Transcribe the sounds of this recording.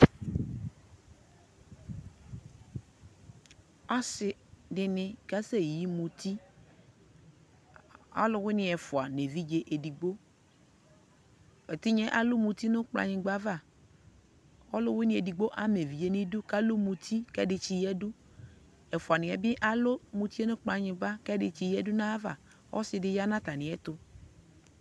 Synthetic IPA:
a˦sɪ˨dɪ˨nɪ̃˨ka˦se˦˨ji˦mũ˨t̪i˦ | ɔ̰˦lʊ˦wɪ˦nɪ̃˨ɛ˨fʊ˨a˨ne˨vi˦d͡ʒe˦ʔe˨di˨ɡ͡bo˦ | ɛ˨t̪ɪ˦ɲɛ˦ʔa˨lʊ˦mu˧t̪i˦nʊ˦k͡pla̰˧ɲɪ̃˨ɡ͡ba˦va˦˨ | ɔ˦lʊ˦wɪ˦nɪ̃˦e˨di˨ɡ͡bo˦ʔa˦me˨vi˨je˦nɪ˦dʊ˦ka˦lʊ˦mũ˧t̪ʰi˦kɛ˦dɪ˧t͡ʃi˧jɛ˦dʊ˦ | ɛ˨fʊ˨a˨nɪ̃˨ɛ˨bɪ˦ʔa˦lʊ˦mũ˧t̪i˦e˦nʊ̃˦k͡pa˧ɲɪ̃˧ɡ͡ba˦kɛ˦dɪ˧t͡ʃi˧jɛ˦dʊ˦nã˦va̰˦˨ | ɔ̰˦sɪ˧dɪ˦ja˦nã˦t̪a˨nɪ̃˨ɛ˦t̪ʊ˧

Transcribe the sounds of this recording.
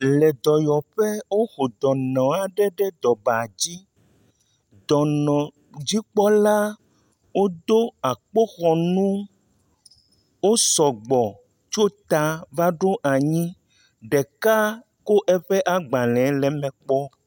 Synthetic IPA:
lɛ˨d̪ɔ˨jɔ˨ɸe˦wo˦xo˨d̪ɔ˨nɔ̃˨a˨ɖɛ˦ɖɛ˦d̪ɔ˨ba˨d͡ʑi˦ | d̪ɔ˨nɔ̃˨ | d͡ʑi˦k͡pɔ˦la˦ | wo˦d̪o˦a˨k͡po˦xɔ˨nũ˦ | wo˦sɔ˨ɡ͡bɔ˨ | t͡ʃo˦t̪a˨va˦ɖo˦ʔa˨ɲĩ˦ | ɖɛ˨ka˦ | ko˦ʔɛ˦ɸe˦ʔa˨ɡ͡bã˨lɛ̃˨˦lɛ˨mɛ̃˨k͡pɔ˦

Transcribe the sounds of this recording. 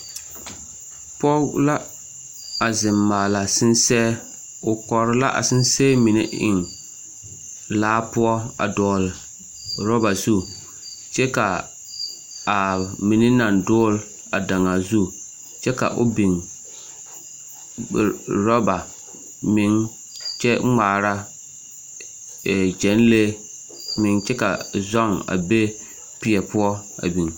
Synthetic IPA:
pɔ˦la˦ | a˨zɪ˨mːaː˨la˨sɪ˦nsɛ˦ | ʊ˨kɔ˨ɾɪ˦la̰˦ʔa̰˨sɪ˦n˦sɛ˦mi˨nɪ̰˦ɪ̰˨ŋ | laː˦pʊ˦ɔ˦a̰˨dɔː˨l | ɾɔ˦ba˨zu˦ | t͡ʃɛ˦ka˨ | a˨mi˨nɪ˦na˨ndʊː˦l | a˨da˨ŋa˨zu˦ | t͡ʃɛ˦ka̰˨ʔʊ̰˦bi˨ŋ˨ | ɾɔ˦ba˨ | mɪ˨˦ŋ | t͡ʃɛ˦ŋ͡maː˨ɾa˦˨ | d͡ʒɛ˨˦nle˦ | mɪ˨ŋt͡ʃɛ˦ka˨zɔ˦˨ŋa̰˨be˦ | pɪ˨ɛ˨pʊ˦ɔ˦a̰˨bi˨ŋ

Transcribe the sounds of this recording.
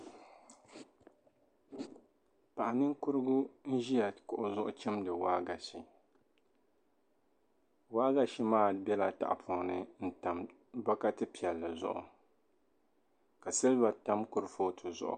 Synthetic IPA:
pa˨ʔa˨nɨ˦ŋkʊ˦ɾɨ˦ɡʊ˦n̩˦ʒi˦ja˨kʊ˨ʔʊ˦zʊ˦ʔʊ˦t͡ʃɛ˦mdɨ˨waː˦ɡa˨ʃi˨ | waː˦ɡa˨ʃi˦maː˦˨bɛ˦la˨ta̰˨ʔpʰɔ˨ŋnɨ˦n̩˦ta˨m | ba˦ka˦tɨ˦pi˨ɛ˨lːɨ˨zʊ̰˦ʔʊ̰˨ | ka˨sɨ˦lba˨ta˦mkʊ˦ɾɨ˦foː˦tʰɨ˨zʊ̰˨ʔʊ̰˨

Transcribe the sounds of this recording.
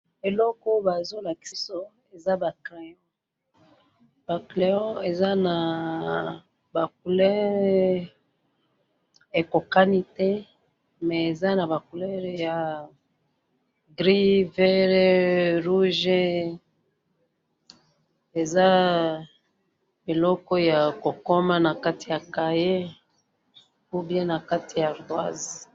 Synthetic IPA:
e˨lɔ˦ko˦ba˨zo˦la˨ki̥˨si˦so˦ | e˨za˦ba˨ke˨jɔ˦ | b̥a˨kle˨jɔ̃˦e˨za˦na˨ | ba˨k̚u˨lɛ˦ʁ | e˨ko˨ka˦ni˦tɛ˦ | mɛ˨e˨za˦na˨ba˨ku˨lɛ˦ʁja˨ | ɡʁi˦vɛ˦ʁe˦ʁu˦ʒe˦ | e˨za˦ | mi˨lɔ˦kɔ˦ja˨ko˨ko˦ma˦na˨ka˦ti˨ja˨ka˨je˦ | u˦bjɛ̃˦na˨ka˦ti˨ja˨ʁdwa˦z

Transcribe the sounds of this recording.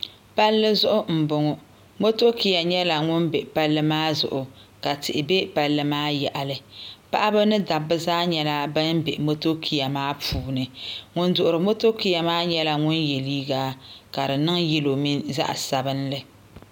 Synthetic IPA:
pa˦lːɨ˦zʊ˦ʔʊ˦m̩˨bʊ˨ŋʊ˦ | mo˦to˦ki˨ja˨ɲɛ˦la˨ŋʊ˦nbe˨pa˦lːɨ˦maː˦zʊ̰˨ʔʊ˨ka˨tɨ˨ʔɪ˨be˦pa˦lːɨ˦maː˦jɛ˨ʔa˨lɨ˨pa˦ʔa˦bɨ˦nɨ˦da˨bːɨ˦zaː˦ɲɛ˦la˦bɨ˦nbe˨ʔmo˦to˦kʰi˨ja˨maː˦puː˨nɨ˨ŋʊ˦ndʊ˨ʔʊ˨ɾɨ˨mo˦to˦ki˨ja˨maː˦ɲɛ˦la˨ŋʊ˦nje˨liː˦ɡaː˦ka˨dɨ˨nɨ˦ŋjɛ˦lo˨mi˦nza̰˦ʔsa˨bɨ˦nlɨ˨

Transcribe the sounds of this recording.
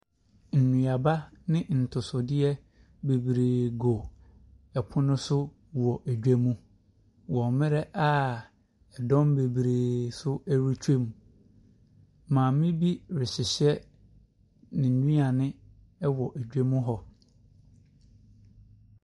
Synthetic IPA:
n̩˨nũ˨a˨ba˦nɪ̃˦n̩˨tʰʊ˨sʊ˨dɪ˦ɛ˦ | be˨bɾeː˨ɡo˨ | ɛ˨pʰʊ˦nʊ̃˦sʊ˦ | wɔ˨ʔæ˨d͡ʑᶣæ˦mũ˦ | wɔ̃˨mɪ̃˦ɾɛ˦ʔa˦ | ɛ˨dɔ̃˦mbe˨bɾeː˨sʊ˦æ˦ɾu˦t͡ɕʰᶣe˦m˨ | mãː˨˦mɪ̃˦bi˦ɾɪ˨ɕɪ˨ɕɛ˦ | nɪ̃˨n̩˨nĩ˦a˨nɪ̃˦ | ɛ˦wɔ˨ʔæ˨d͡ʑᶣæ˦mũ˦ɦɔ˨

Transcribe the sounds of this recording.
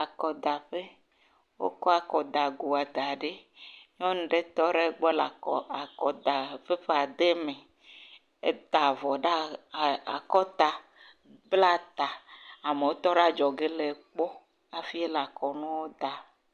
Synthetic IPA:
a˨kɔ˨d̪a˨ɸe˦ | wo̰˦kɔ˦a˨kɔ˨d̪a˨ɡu˨a˨d̪a˨ɖe˦ɲɔ̃˦ñ̩˦ɖe˦t̪ɔ˦ɖe˦ɡ͡bɔ˦la˨ɔ˨a˨kɔ˨d̪a˨ɸe˦ɸe˦a˨d̪e˦me˨ | e˦t̪a˨vɔ˨ɖa˦˨a˨kɔ˦t̪a˨ | bla˦t̪a˨a˨me˨wo˦t̪ɔ˦ɖa˦d͡ʒɔ˨ɡe˦le˨k͡pɔ˦ | a˨fi˦e˦la˨kɔ˨nũ˦wo˦d̪a˨

